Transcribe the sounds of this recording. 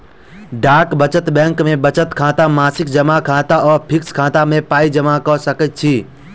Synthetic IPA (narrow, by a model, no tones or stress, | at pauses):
ɖaːkbət͡ʃət̪bɛ̃ŋkmẽbət͡ʃət̪kʰãːt̪amaːsɪkd͡ʒəmakʰãːt̪aɔːɾpʰɪkskʰãt̪amẽpaːid͡ʒəmakɔsəkət̪̚t͡ʃʰi